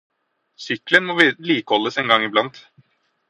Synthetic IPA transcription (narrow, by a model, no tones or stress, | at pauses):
sʏklənmɔʋliːkəhɔlːəsɛŋɡɑŋɪblɑnt̪